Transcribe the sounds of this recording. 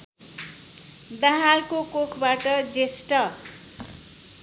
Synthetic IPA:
d̪aɦalkokokʰbaʈʌd͡zesʈʌ

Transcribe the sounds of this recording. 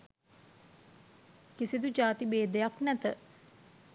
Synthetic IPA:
kisid̪ud͡ʒaːt̪ibeːd̪ejaknɛt̪ə

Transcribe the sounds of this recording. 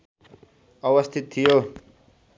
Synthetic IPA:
ʌwʌst̪ʰit̪ʰːijo

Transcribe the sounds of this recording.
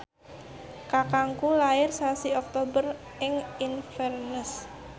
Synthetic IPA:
kakaŋkulaɪrsasiɔk̚t̪obər | ɪŋinfɛrnəs

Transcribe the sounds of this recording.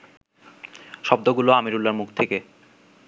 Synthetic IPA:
ʃɔb̚d̪oɡuloamiɾulːaɾmukʰt̪ʰeke

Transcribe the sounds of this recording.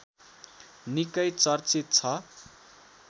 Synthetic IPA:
nikʌjt͡sʌrt͡sit̪̚t͡sʰʌ

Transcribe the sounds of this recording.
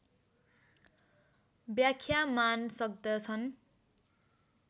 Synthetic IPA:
bjakʰjamansʌk̚d̪ʌt͡sʰʌn

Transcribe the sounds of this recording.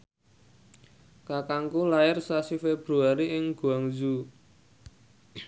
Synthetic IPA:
kakaŋkulaɪrsasifeb̥ɾuaɾiɪŋɡ̥ṳaŋzu

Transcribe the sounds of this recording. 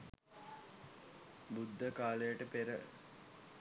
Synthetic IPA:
bud̪ʱːəkaːləjəʈəpeɾə̰

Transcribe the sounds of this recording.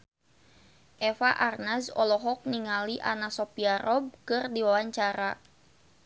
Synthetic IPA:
ʔɛfaʔarnasɔlɔɦɔk̚niŋaliʔanasɔpiaɾʔɔb̚kɨrdiwawaɲt͡ʃaɾa

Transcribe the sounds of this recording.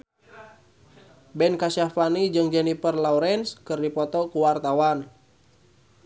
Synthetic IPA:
bɛnkasafanid͡ʒɨŋd͡ʒɛnifərlauɾɛnskɨrdipɔt̪ɔkuwart̪awan

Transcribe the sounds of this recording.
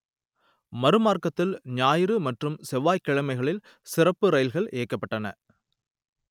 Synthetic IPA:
mɐɾɯmaːrkɐt̪ːɪlɲaːjɪɾɯmɐʈrɯmsɛʋaːjkːɐɻɐmɐɪɣɐɭɪl | sɪrɐpːɯɾɐjɪlɣɐɭʔeːkːɐpːɐʈːɐnɐ̰

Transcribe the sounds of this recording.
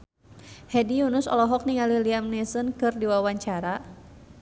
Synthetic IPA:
hɛdijunʊsɔ̰lɔɦɔk̚niŋaliliamnisənkɨrdiwawaɲt͡ʃaɾa

